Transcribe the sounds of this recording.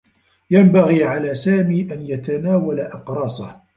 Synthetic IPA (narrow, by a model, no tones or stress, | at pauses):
jambaɣiːʕalaːsaːmiːʔanjat̪anaːwalaʔɪqɾˤɑːsah